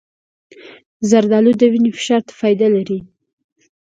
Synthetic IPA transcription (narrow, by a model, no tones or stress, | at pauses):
zaɾd̪ɑlud̪əwinefɪ̥ʃɑɾt̪ḁfɑjd̪alaɾi